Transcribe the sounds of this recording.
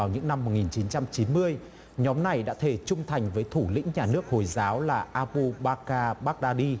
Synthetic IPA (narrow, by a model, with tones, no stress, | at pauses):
a˨˩wɲɨ̰˧˥ŋna˧mːo˨˩t̚ŋi˨˩nt͡ɕi˨˦nt͡ɕa˧mt͡ɕi˨˦nmɨ˧əj | ɲɔ˨˦mna˨˩jɗa̰ː˧˥t̪ʰe˧˩t͡ɕʊ˧ŋ͡mt̪ʰa˨˩jŋ̟vəː˨˦jt̪ʰu˧˩lḭ̈˧˥ŋ̟ɲaː˨˩nɨ˦˥ək̚ho˨˩jzaː˨˦wlaː˨˩ʔaː˧pu˧ɓaː˧kaː˧ɓaː˦˥k̚ɗaː˧ɗi˧